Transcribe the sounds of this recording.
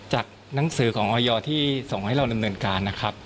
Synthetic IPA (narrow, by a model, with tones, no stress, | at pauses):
t͡ɕaː˨˩k̚ | na˩˦ŋsɯː˩˦kʰɔː˩˦ŋʔɔː˧jɔː˧t̪ʰiː˥˩so˨˩ŋha˥˩jɾa˧wda˧mnɤː˧nkaː˧nːa˦˥kʰɾa˦˥p̚